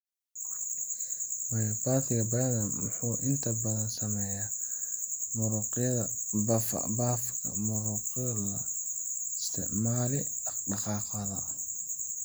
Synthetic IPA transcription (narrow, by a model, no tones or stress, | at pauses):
mɐjbaːt̪ʰɪjɐbɐdɐnwʊ̰ħuːʔɪnt̪ʰɐbɐðɐnsɐmɛjaː | mʊɾuqɪɐðɐ | bfbaːfkʰɐ̰mʊɾuːqjɐlɐ | ɪst̪ʰɪ̰ʕmaːlɪɖɑqɑːqɐðɐ